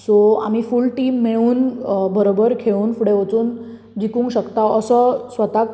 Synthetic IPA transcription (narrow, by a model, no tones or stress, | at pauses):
soa̰m̤iːfulʈiːmːeɭuːnbəɾobəɾkʰeuːnfuɽeʋət͡suːn | d͡ʑikũːŋɡɕəkt̪aəsəsʋət̪ak